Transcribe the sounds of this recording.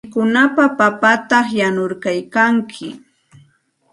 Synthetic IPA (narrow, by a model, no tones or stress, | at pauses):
kʊnapapapat̪ɑχjanʊɾkajkaŋkʰɪ̰